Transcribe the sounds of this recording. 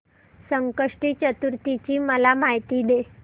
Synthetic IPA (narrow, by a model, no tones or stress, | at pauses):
səŋkəʂʈiːt͡ɕət̪uɾt̪it͡ɕiːməlamaɦjt̪iːd̪e